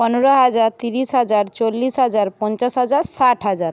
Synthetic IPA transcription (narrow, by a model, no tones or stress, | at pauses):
pɔnoɾɔɦad͡ʒaɾt̪iɾisɦad͡ʒaɾt͡ʃolːisɦad͡ʒaɾpɔnt͡ʃasɦad͡ʒaɾsaʈʰɦad͡ʒaɾ